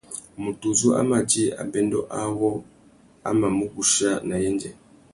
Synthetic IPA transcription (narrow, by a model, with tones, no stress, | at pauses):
mu˨tu˨zu˦a̰˦ma˨d͡ʒi˦a̰˨bɛ˦ndɔ˦ʔa˦wɔ˦ | a̰˦ma˨mu˦ku˦ʃa˦na˨jɛ˦nd͡ʒɛ˨